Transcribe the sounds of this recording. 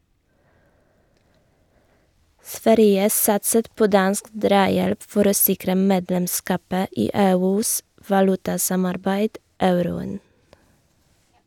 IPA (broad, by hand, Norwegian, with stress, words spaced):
ˈsʋæɾjə ˈsɑtsət ˈpoː ˈdɑnsk ˈdɾɑːjɛlp ˈfɔɾ ˈoː ˈsɪkɾə ˈmeːdlɛmˌskɑːpə ˈiː ˈeːˌʉːs ʋɑˈlʉtɑˌsɑmɑɾbæɪd ˈɑʉɾʊən